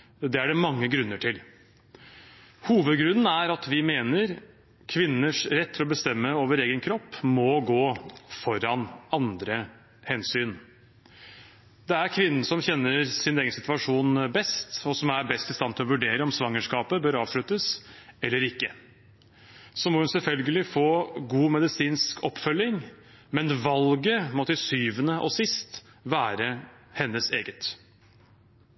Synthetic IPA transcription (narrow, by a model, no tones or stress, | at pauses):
d̪ɛæɖɛmɑŋːəɡɾʉnːəʈʰɪl | huːʋəd̪ɡɾʉnːn̩æɾɑt̪ʋɪmeːnəɾ | kʰʋɪnːəʂɾɛt̪ʰːɪlɔbəst̪ɛmːəoːʋəɾeːɡənkʰɾɔpːmɔɡoːfɔɾɑnɑnd̪ɾə | hɛnsyːn | d̪̥ɛæɾkʰʋɪnːn̩sɔmçɛnːəɾsɪneːɡənsɪt̪ʋɑʂuːnbɛst̪ɔsɔmæɾbɛst̪ɪst̪ɑnt̪ʰɪlɔʋʉɖeːɾəɔmsʋɑŋːəʂkɑːpəbœɾɑːʋʂɭʉt̪əsɛlːəɾɪkːə | sɔmɔhʉnsɛlfœlɡəlɪfoːɡuːmɛd̪ɪsiːnskʰɔpːfœlːɪŋ | mɛnʋɑlɡəmɔt̪ɪsyːʋənəʔɔsɪst̪ | ʋæːɾəhɛnːəseːɡət̪